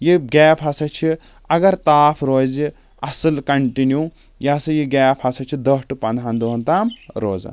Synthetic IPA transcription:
jiɡʲɛːpʰɐsɐt͡ʃʰi | ɐɡɐɾt̪aːpʰɾoːzi | ɐsɨlkɐɳʈinju | jaːsɨjiɡaːpʰɐsɐt͡ʃʰid̪ɐsʈɨpɐnd̪ɦɐnd̪uɦunt̪aːmɾoːzɐ̰

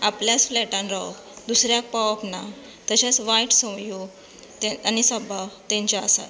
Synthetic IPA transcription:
apljasflɛʈãnɾaw | d̪usɾjak̚paʋapna | t̪əɕat͡sʋaiʈsə̃wjoɡ | t̪eanisəbʱawt̪ẽɲt͡ɕaasa̰t

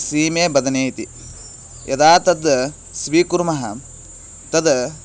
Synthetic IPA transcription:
siːmeːbɐd̪ɐneːt̪i | jʔɐd̪aːt̪ɐd̪ | sʋiːkuɾmɐɦɐ̰ | t̪ɐd̪

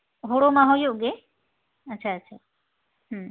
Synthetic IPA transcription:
ɦoɽomãɦojoɡe | ətːʃʰaətːʃʰa | ɦ

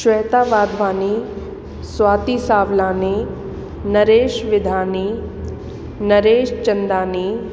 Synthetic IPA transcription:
ʃʋɛːt̪aːʋaːd̪ʱʋaːni | sʋaːt̪isaːʋlãːni | nɐɾeːʃʋɪd̪ʱaːni | nɐɾeːʃt͡ʃɐnd̪aːniː

